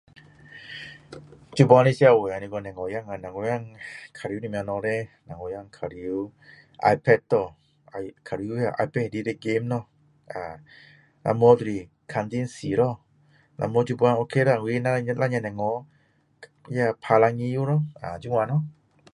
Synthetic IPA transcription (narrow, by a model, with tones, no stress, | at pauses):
t͡ʃu˧bɔ˧ni˧˨si˧˦a˧˨we˨a˧˨ni˧ɡɔ˧˨nɛ˨ŋɔ˨˧˦ja˧˨ŋa˧˨na˨ŋɔ˧˦ja˧˨ŋkʰa˨˧ɾi˧˦ni˧˨mɛ˧nɔ˧˨ɾe˧˨na˨ŋɔ˧˦ja˧˨ŋkʰa˧ɾi˧˦w | ʔa̰˧jpʰɛ˧˩t̚t̪ɔ˧˨ | a˧jkʰa˧˨ɾi˧u˦ja˧˨ʔa̰˧pɛ˧˨di˧ɾe˧˨ɡe˧˦mnɔ˧˨ | ʔa˨˩ | nʔa̰˧mɔ˧˦d̪u˧ɾi˧˩ | kʰa˧nt̪i˧˨nsiː˨˦ɾɔ˧˨ | nʔa̰˧mɔ˧˦t͡ʃu˧bɔ˧˦ja˧˨o˧kʰe˧˦ɾa˧˨ŋ˧i˧na˧ɲ˧la˧˨ɲa˧˨nɛ˨ŋɔ˧˦ | ja˧˨pʰa˧la˧ŋi˧˦ju˧˦ɾɔ˧˨a̰˨d͡ʒu˧˦ŋwa˧nɔ˧˦˨